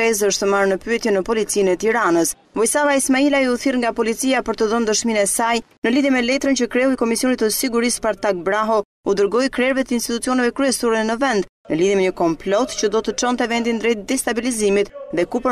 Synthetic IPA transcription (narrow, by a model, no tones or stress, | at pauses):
ɛzəʃt̪əmaɾnəpyɛt̪jɛnəpɔlit͡sinɛt̪iɾanəs | vɔjsavaismailaiuθiɾŋɡapɔlit͡siapəɾt̪əðɔnd̪əʃminɛsajnəliðjɛmɛlɛt̪ɾənt͡ɕəkɾɛhujkɔmisjɔnit̪əsiɡuɾispaɾt̪ak̚bɾaɦɔ | ud̪əɾɡɔjkɾɛɾvɛt̪əinst̪it̪ut͡siɔnɛvɛkɾyɛsuɾɛnəvɛnd̪ | nəliðjɛmɛɲəkɔmplɔt̪cəd̪ɔt̪ət͡ʃɔnt̪ɛvɛnd̪ind̪ɾɛjt̪̚d̪ɛst̪abilizimit̪ðɛkupə